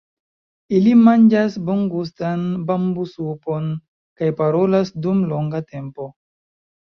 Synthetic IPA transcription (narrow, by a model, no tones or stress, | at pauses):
ilimand͡ʒasboŋɡus̬tanbambusupon | kajpaɾo̞lasdumloŋɡate̞mpo̞